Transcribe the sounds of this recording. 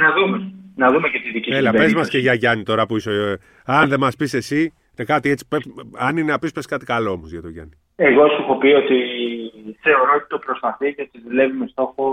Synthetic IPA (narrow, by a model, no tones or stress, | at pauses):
nɐðumenɐðumecet̪iðicielɐpezmɐskeʝɐʝɐnit̪o̞ɾɐpuiso | ɐnðe̞mɐspise̞si | ekɐt̪iet͡si̥peɐnineɐpispeskɐt̪ikɐlo̞omozʝɐt̪oʝɐ̰ni | e̞ɣo̞suxo̞piot̪i | θe̞o̞ɾo̞ot̪i̥t̪opɾo̞spɐθiceot̪iðule̞vime̞st̪o̞xo